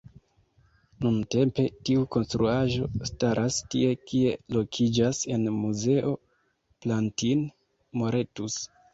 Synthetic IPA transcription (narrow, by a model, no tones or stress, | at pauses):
nunte̞mpe̞tiuko̞nstɾuaʒo̞staɾʔastie̞kie̞lo̞kʰid͡ʒase̞nmuze̞ʔo̞ | plantin | mo̞ɾe̞tus